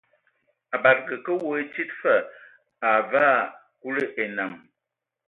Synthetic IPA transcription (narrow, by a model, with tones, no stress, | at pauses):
a˨ba˨ɾɡə˨kə˦wo˨˦e˦t͡ʃi˦tfə˦˨ | a˨vaː˦ | ku˦lə˦ʔe˨na˨ŋ